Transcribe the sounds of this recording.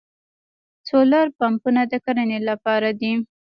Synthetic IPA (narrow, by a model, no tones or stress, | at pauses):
t͡solaɾpampunad̪əkaɾənelapɑɾad̪i